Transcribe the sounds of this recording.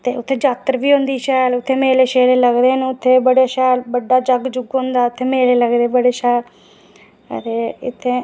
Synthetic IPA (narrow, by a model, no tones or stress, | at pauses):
t̪eːʊt̪ʰːeːd͡ʒaːt̪ɾʋiːɦʊ̃nd̪iːʃɛːlʊt̪ʰːeːmeːleːʃeːleːləɡd̪eːnʊt̪ʰːeːbəɽeːʃɛːlbəɖːaːd͡ʒəɡd͡ʒʊɡɦʊ̃nd̪aːʊt̪ʰːeːmeːleːləɡd̪eːbəɽeːʃɛːl̰ | t̪eːɪt̪ʰːeː